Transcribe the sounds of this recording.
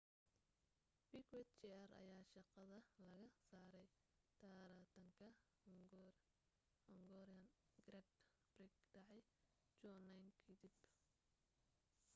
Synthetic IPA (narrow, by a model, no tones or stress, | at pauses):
bikwɛt̪t͡ʃiɐɾɐ̰jaːʃɑqɑðɐlɐɣɐsaːɾɛj | t̪ʰaːɾat̪ʰɐŋkʰɐ | hɔŋɡɔɾiɐn | ɡrɛd̪ | brɪɡɖɑʕɑj | t͡ʃɔːnajnkʰɐd̪ɪb